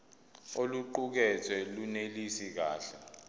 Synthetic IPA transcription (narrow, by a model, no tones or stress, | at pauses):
oluǃuk̬ɛt͡sʰwɛlunelisik̬aːɬɛ